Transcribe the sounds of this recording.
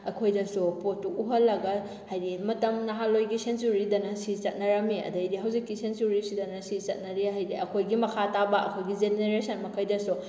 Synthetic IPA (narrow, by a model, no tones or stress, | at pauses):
ɐkʰojdɐsupotuuɦɐlːɐɡɐ | hajdimɐtɐmnɐɦalojɡisensuɾidɐnɐsit͡ʃɐt̚nɐɾɐmeɐ̰dɐjdiɦɐwzikːisensuɾisidɐnɐsisɐt̚nɐɾiɦajdiɐkʰojɡimɐkʰatabɐɐ̰kʰojɡid͡ʒeneɾesʰɐnmɐkʰɐjdɐsu